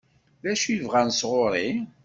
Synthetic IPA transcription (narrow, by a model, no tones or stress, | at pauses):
ðæʃjəvʁænsʁoɾˤi